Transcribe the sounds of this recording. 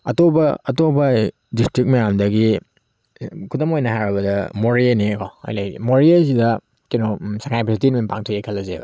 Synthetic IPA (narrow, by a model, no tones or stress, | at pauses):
ɐtobɐɐtobɐ | distɾik̚mɐjamdɐɡi | kʰudɐmojnɐɦaɾɐbɐdɐmoɾianikʰɔa̰jlajḭmoɾiasidɐ | kinosakʰajpisitinminpaŋtʰujajkʰɐlːɐzḛbɐ̰